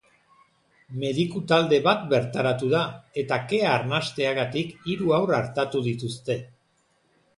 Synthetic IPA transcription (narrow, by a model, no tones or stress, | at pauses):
me̞ðikut̪ald̪e̞βat̪be̞ɾt̪aɾat̪uðae̞t̪ake̞aːɾnast̪e̞aɣat̪ikiɾuawraɾt̪at̪uðit̪ust̪e̞